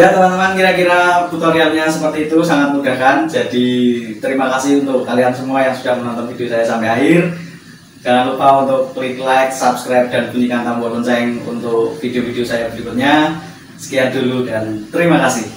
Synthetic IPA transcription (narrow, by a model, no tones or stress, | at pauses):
jat̪əmant̪əmankiɾakiɾaput̪ɔɾialɲasəpərt̪iːt̪usaŋat̪̚muɡ̥a̤hkand͡ʒad̥it̪əɾimakasɪhunt̪ʊkkaliansəmuajaŋsud̥ahmənɔnt̪ɔnfid̥eosajasampɛɦaɦɪr | kanalupaunt̪ʊk̚pliklajk̚sapskɾajp̚d̥andib̥unikant̪amɔlənsaɪŋṵnt̪ʊkfid̥eofideosajab̥iɾikʊt̪̚ɲa | sə̥kijand̥uludant̪əɾimakasɪh